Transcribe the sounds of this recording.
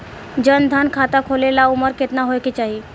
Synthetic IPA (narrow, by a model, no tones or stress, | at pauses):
d͡ʑənd̪ʱankʰat̪akʰolelauməɾket̪naɦojket͡ɕaɦi